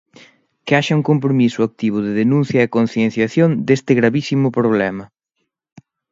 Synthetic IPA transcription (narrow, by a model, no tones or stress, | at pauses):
kɪaʃɐuŋkomp̬ɾomisʊak̚t̪iβ̞ʊðɪðenũn̟θjɐekon̟θjen̟θjaθjond̪est̪ɪɣɾaβisimʊpɾoβ̞lɛmɐ